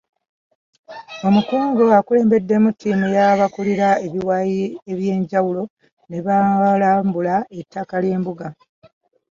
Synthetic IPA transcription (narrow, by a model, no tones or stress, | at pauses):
o̞mukuːŋɡoakule̞ːmbe̞dːemutʰːiːmujaβakuliɾaeβiwajieβje̞ːɲɟawulo̞ | ne̞βalaːmbulae̞tːakalje̞ːmbuɡa